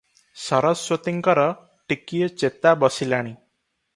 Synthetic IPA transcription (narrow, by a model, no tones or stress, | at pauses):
sɔɾɔswɔt̪iŋkɔɾɔ | ʈikijɔt͡ʃet̪abɔsilaɽ̃i